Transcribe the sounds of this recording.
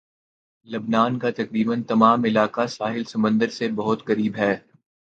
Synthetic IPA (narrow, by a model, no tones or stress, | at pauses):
lɐbnaːnkat̪ɐkɾiːbənt̪ɐmaːmɪlaːkasaːɦɪlsɐmə̃nd̪əɾsebɐɦʊt̪qɐɾiːbɦɛː